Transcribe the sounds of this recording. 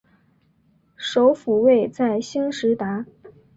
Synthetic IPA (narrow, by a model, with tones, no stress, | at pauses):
ʂo˧˥ʊfu˨˩we˥˩˧ɪt͡sa˥˩ɪɕi˥ŋʂɻ̩˧˥t̪a˧˥